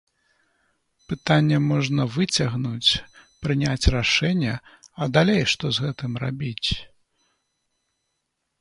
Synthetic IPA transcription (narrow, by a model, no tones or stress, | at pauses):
pɨt̪anʲːɛmɔʐnɐvɨt͡sʲɐɣnut͡sʲpɾɨnʲat͡sʲraʂɛnʲːɛɐd̪alʲejʂt̪ɔzɣɛt̪ɨmra̰bʲit͡sʲ